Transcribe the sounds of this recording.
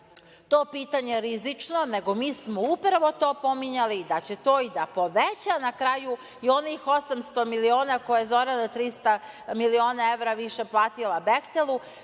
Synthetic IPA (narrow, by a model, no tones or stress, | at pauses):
t̪o̞ːpiːt̪aɲeɾizit͡ʂno̞ne̞ɡo̞miːsmoupɾaʋo̞t̪o̞ːpo̞miɲalid̪at͡ɕe̞t̪o̞ːid̪apo̞ʋet͡ɕanakɾaːju | io̞nixo̞samst̪o̞milio̞ːnako̞jajezo̞ɾanot̪ɾist̪a | milio̞ːnae̞ʋɾaʋiʃe̞plˠaːt̪ilabext̪elˠu